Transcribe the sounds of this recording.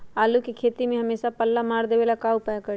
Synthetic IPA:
aːlukikʰeːt̪imẽɦɐmeːʃapəlːamaːɾd̪eːʋeːlakaːupɛːjkə

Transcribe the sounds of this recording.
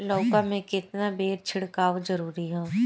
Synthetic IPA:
lɔːkamẽkɪt̪nabeːɾt͡ʃʰɪɽkaːʋozɐɾuːɾiɦɛ̃ː

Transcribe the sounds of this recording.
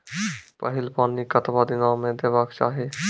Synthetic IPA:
pəɦɪlpaːnikət̪bad̪ɪnaːmẽd̪eːbaːkt͡ʃa̰ːɦe

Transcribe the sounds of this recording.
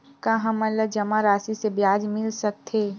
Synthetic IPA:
kaɦɐmɐləd͡ʒɐmaɾaːsisebjaːd͡ʒmɪlsɐk̚t̪ʰeː

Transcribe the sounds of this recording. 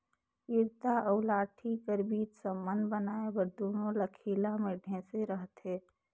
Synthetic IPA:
iɾt̪aʔəʊlaːʈʰikəɾbiːt͡ʃ̪səmənd̪bənaːebəɾd̪oːnõləkʰiːlamẽɖʱẽseɾəɦt̪ɦeː

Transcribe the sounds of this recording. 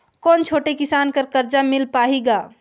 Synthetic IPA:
kɔːnt͡ʃʰoːʈekisankəɾkəɾd͡ʒamilpaɦiɡa

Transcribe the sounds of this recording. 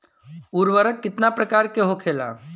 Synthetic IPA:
uɾʋəɾəkːɪt̪napɾəkaːɾkeɦokʰela̰

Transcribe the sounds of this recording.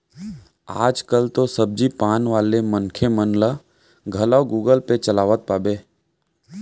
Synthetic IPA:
aːd͡ʒkəlt̪osəb̚d͡ʒipaːnʋaːlemənkʰemənlə | ɡʱəlawɡuːɡəlpet͡ʃəlaːʋət̪̚paːbeː

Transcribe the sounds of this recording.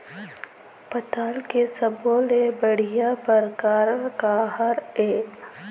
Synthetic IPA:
pɐt̪aːlkesəboːlebəɽ̤ijãpəɾkaːɾəɾkaɦəɾeː

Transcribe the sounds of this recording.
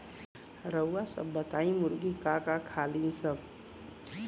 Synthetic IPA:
ɾəwːasə̰bːət̪aĩmuɾɡikakakʰalinsəb

